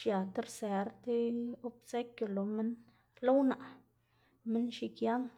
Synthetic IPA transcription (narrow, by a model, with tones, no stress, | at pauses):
ʃja˨t̪e˦ɾse˨ɾt̪e˦o˦bse˦kʲjo˨lo˨me˦n | lo˦wna˨ʔ | me˦nʃi˧kja˦ŋ